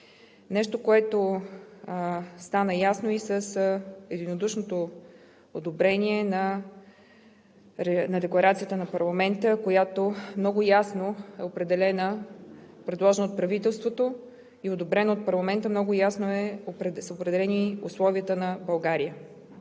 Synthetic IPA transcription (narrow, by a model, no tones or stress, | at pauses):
nɛʃt̪okoɛt̪o | st̪anəjasnoisəsɛd̪inod̪uʃnot̪o | od̪obɾɛniɛnɐ | ɛnɐd̪ɛklˠɐɾat̪sijət̪ənɐpɐɾlˠɐmɛnt̪əkojat̪omnɔɡʊjasnoɛopɾɛd̪ɛlɛnə | pɾɛd̪lˠɔʒɛnot̪̚pɾɐvit̪ɛlˠst̪vot̪o | iod̪obɾɛnoːt̪̚pɐɾlˠɐmɛnt̪əmnɔɡʊjasnoɛsopɾɛd̪ɛlɛniʊslˠɔviət̪ənɐbɐlˠɡaɾijə